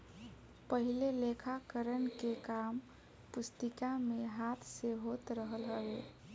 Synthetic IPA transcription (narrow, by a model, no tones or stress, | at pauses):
pəɦilelekʰakəɾənkekam | pust̪ikameɦat̪ʰseɦot̪ɾəɦəlɦəbe